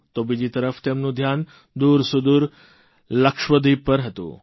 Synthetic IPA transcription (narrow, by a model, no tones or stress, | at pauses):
t̪obid͡ʒit̪əɾəft̪emnũd̪ʱjan | d̪uːɾsud̪uːɾ | ləkʃʋəd̪ʱipəɾɦət̪ṵ̃ː